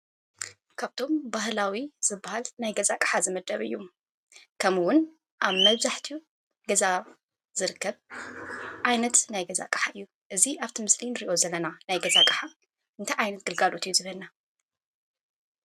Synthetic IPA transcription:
kʰaβt̪ʰo̞mbaɦlawiz̥ɨbːahalnajɡɐzakʼħazɨmɐd̪ːɐβɨ̰jːu | kʰɐmwʊn | ʔaβmɐβzaħt̪ʰiu | ɡɐza | z̥ɨɾɨkʰːɐβ | ʕajnɐt̪najɡɐza̰kʼɐ̥ħaʔɨjːu | ʔɨziʔaβt̪ʰimɨslinɾiʔo̞zɐlːɐnanajɡɐzakʼɐħa | ʔɨnt̪ʰajʕajnɐt̪̚ɡ̥ɨlɡalo̞t̪ɨjːuzɨβɐlna

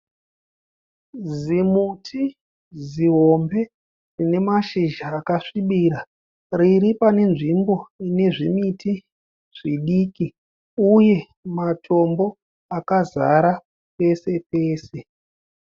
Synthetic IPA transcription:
zimutʰi | ziɦo̞mbe̞ | d͡zine̞maʃiʒaːkaʂiɓiɾa | riɾipane̞nʐimbo̞ine̞ʐimiti | ʐ̥iɗiːki | uje̞ | matʰo̞mbo̞ | akaza̰ɾa | pe̞se̞peːse̞

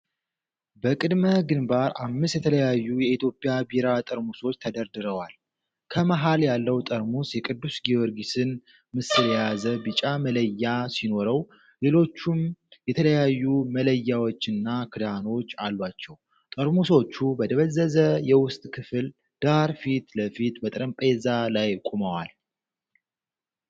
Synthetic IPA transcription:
bəkʼɨd̪məɡɨnbaɾamːɨst̪jɛt̪ʰələjajːujɛit̪ʰjo̞pʼjabiɾat̪ʼɨɾmuso̞t͡ʃːt̪ʰəd̪əɾd̪ɨɾəwal | kʰəmaɦaljalːəwt̪ʼəɾmusjɛkʼɨd̪ːusɡiwoɾɡisɨn | mɨsɨljazəbɨt͡ʃʼamələjːasino̞ɾəw | le̞lo̞t͡ʃːumjɛt̪ʰələjajːumələjːawot͡ʃːɨnːakʰɨd̪ano̞t͡ʃːalːat͡ʃːɛw | t̪ʼəɾmuso̞t͡ʃːubəd̪əβəzːəzəjɛwʊst̪ʼkʰɨfɨl | d̪̥aɾfit̪ləfit̪bət̪ʼɨɾəmpʼezalajkʼuməwal

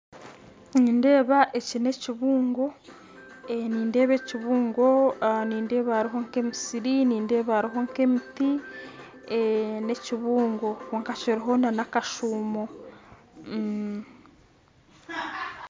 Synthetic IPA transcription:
niːnde̞ːβaʔecine̞ciβuːŋɡo̞ | eniːnde̞ːβeciβuːŋɡo̞niːnde̞ːβaɾiɦo̞ŋke̞misiɾiniːnde̞ːβaːɾiɦo̞ŋke̞miti | ene̞ciβuːŋɡo̞kuŋkaciɾiɦo̞nanakaʃuːmo̞

